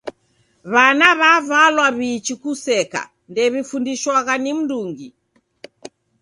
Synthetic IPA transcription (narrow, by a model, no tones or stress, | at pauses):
βanaβavalwaβiːt͡ʃikusɛka̰ | ndɛβifundiʃwaɣanim̩duŋɡi